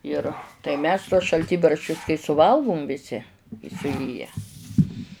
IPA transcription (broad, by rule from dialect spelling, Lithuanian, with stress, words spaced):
ˈɪr tɐɪ ˈmʲɛs tuɔs ʃɐlʲˈtʲiːbɐrʲʃʲt͡ʃʲʊs kɐɪ sʊˈʋɐlˠɡʊm ʋʲɪˈsʲɪ ɪ sʊˈeːjæː